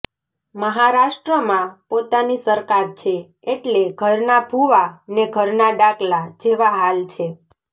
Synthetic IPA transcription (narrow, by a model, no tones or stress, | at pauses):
məɦaɾaʃʈɾəmãpot̪anisəɾkaɾt͡ʃʰe | eʈleɡʱəɾnabʱuʋaneɡʱəɾnaɖaklad͡ʒeʋaɦalt͡ʃʰe